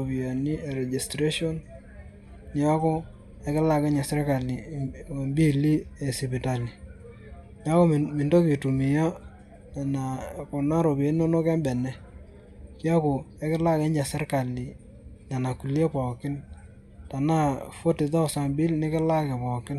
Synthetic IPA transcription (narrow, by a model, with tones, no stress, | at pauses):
o˨pi˨a˨ni˦ɛ˨ɾɛ˨d͡ʒi˨stɾe˦ʃɔ˦nː | ɪ˨˦a˦kɔ˦ | ɛ˦kɪ˦la˦kɛ˦ɲa˨sɛ˦ɾka˨li˨mbi˦li˦ɛ˨sɪ˨pɪ˨ta˨li˨ | nja˦ko˦mɪ˨ndo˦ki˨tu˨mɪ˨ja˦˨ | na˨ko˨na˦ɾo˨bi˨ja˨˦n˦o˦no˦kɛ˦mbɛ˨nɛ˨ | kja˦ko˨ɛ˦kɪ˦la˦kɛ˦ɲd͡ʒa˨sɛ˦ɾka˨li˨ | na˨na˨ku˨lje˦pɔ˨kɪ˦n | ta˨na˦fo˦tɪ˨ðɔ˦˨sa˨mbi˦lnɪ˦kɪ˦la˦kɛ˨pɔ˨kɪ˦n